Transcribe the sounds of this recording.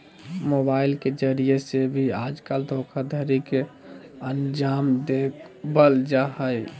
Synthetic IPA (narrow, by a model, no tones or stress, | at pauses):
mobaɪlked͡ʒəɾijesebʱiaːd͡ʒkald̪ʱokʰad̪ʱəɾikeənd͡ʒaːmd̪ek | bəld͡ʒaɦəj